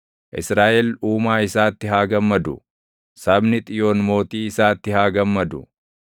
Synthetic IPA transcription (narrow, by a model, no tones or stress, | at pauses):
ʔɪsɾaːʔɛluːmaːɪsaːt̪ːɪɦaːɡɐmːɐd̪ʊ | sɐbnɪt̪ʼɪjo̞ːnmo̞ːt̪iːɪsaːt̪ːɪhaːɡɐmːɐd̪ʊ